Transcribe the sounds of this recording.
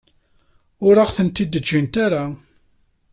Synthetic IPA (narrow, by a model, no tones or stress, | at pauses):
ʊɾaʁθənt̪id̪ːəd͡ʒːint̪aɾa